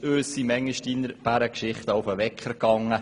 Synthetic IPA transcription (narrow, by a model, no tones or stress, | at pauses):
øːsːimɛŋːəʃtiːnəɾb̥æɾəkʃɪχt̪əʊfəʋɛkχəɾkɑŋːə